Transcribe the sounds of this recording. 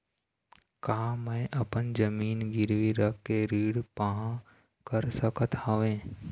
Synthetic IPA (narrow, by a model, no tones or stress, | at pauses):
kaɦãmɛ̃ʔɐpənd͡ʒəmiːnɡɪɾʋiɾəkːeɾiːɽpaɦã | kəɾsəkət̪haʋẽː